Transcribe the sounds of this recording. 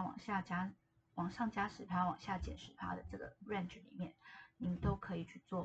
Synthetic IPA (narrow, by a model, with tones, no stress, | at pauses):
wɑ̰˨˩ŋɕja˥˩t͡ɕja˥ | wɑ˨˩ŋʂɑ˥˩ŋt͡ɕja˥ʂɻ̩˨˥t̪ʰja˥wɑ̰˨˩ŋɕja˥˩t͡ɕjɛ̰˨˩nʂɻ̩˨˩t̪ʰa̰˥d̪ə˨ʈ͡ʂɤ˥˩ɡə̰˩ɻa˥˧nʈ͡ʂɻ̩˥˩lḭ˨˩˦mjɛ˥˩nni˨˩mə˦nt̪o˥ʊkʰɤ˧˥i˨˩t͡ɕʰy˥˧t͡swɔ˥˩